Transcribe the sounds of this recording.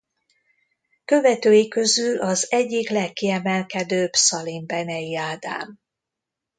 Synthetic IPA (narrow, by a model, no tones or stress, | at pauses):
kø̞vɛt̪øːjikø̞zylʔɒzɛɟːiklɛkːiɛmɛlkɛd̪øːbsɒlimbɛnɛiaːd̪a̰ːm